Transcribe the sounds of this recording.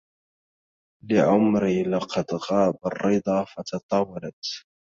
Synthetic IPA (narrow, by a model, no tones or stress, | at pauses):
lɪʕʊmɾilɑqɑd̪ɣɑːbɑrˤːɨd̪ˤɑfɑt̪ɑt̪ˤɑːwalat̪